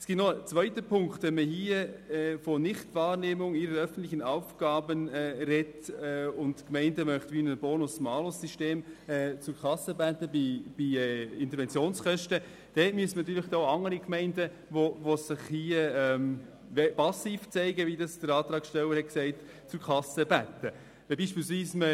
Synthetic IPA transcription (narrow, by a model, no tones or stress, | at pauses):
ɛsɡ̥ɪtnɔət͡svœʏtəpʰʊŋktʋɛnməɦiəɛfɔnɪχtvɑːɾneːmʊŋiɾəɾœfən̩t̪lɪçənɑʊfɡ̥ɑːbənɛːɾɛtɛʊntkmɛɪndəmœχtʋinəbɔːnʊsmɑːlʊsiʃteːmɛt͡sʊɾkʰɑsəbætəbib̥iɛɪntəɾʋɛnt͡sjoːnskœʃtə | d̥ɛtmyəsənɑt̪yːɾlɪχd̥ɔːɑŋəɾikmɛɪndə | voʋosɪχhiəɛm | ɛpɑsiːft͡sɛɪɡəʋidɑsd̥əɾɑːt̪ɾɑːkʃtɛlːəɾhɛt̚ksɛɪt | t͡sʊɾkʰɑsəbætːə | vɛbiːʃpiːlsviːsmə